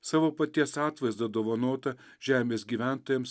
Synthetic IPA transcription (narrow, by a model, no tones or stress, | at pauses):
sɑːʋoːpɐt̪ʲiɛsɑːt̪ʋɐɪzd̪ɐd̪oːʋɐnoːt̪ɐ | ʒ̥ʲæːmʲeːsɡʲiːʋʲæˑnt̪oːjɛms